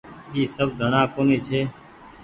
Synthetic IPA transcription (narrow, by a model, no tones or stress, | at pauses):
iːsəbd̪ʱəɳãːkoːniːt͡ʃʰeː